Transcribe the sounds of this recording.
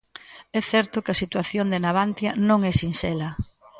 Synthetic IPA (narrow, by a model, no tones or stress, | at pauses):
ɛθɛɾt̪ʊkɪɐsit̪waθjond̪enaβant̪jɐnõŋɛsinsɛlɐ